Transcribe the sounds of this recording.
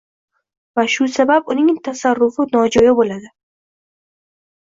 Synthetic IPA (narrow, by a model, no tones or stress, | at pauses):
vaʃʊsababʊnɪŋt̪ʰasarːʊfɪnɒd͡ʒɒjɒbolad̪ɪ